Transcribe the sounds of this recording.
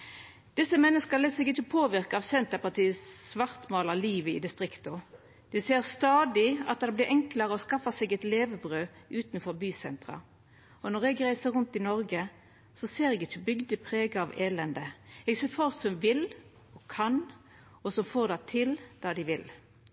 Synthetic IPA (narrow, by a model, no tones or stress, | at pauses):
d̪̥ɪsːəmɛnːəskəleːsɛɡɪçːəpʰoːʋɪʁkəɑːʋsɛnt̪əpɑʁt̪iːəsʋɑʁt̪moːlɑliːʋəɪ̰d̪ɪst̪ʁɪkt̪ʊ | d̪̥ɪseːɾst̪ɑːd̪ɪɑ̰t̪̚d̪ɛblɪɾʔɛŋkləɾəɔskɑfːəsɛɡɛt̪leːʋəbʁøːʔʉːt̪nfɔʁbyːsɛ̰nt̪ʁɑ̰ | ɔnɔʁɛɡʁæɪsəɾʁʉnt̪ɪnɔɾɡə | sɔseːɾɛɡɪçəbʏɡd̪əpʰʁeːɡɑɑʋeːlɛnd̪əɛɡseːʁfɔʁsɔmʋɪl | ɔkʰɑn | ɔsɔmfoːʁd̪ɛt̪ʰɪld̪̥ɑːd̪ɪʋɪl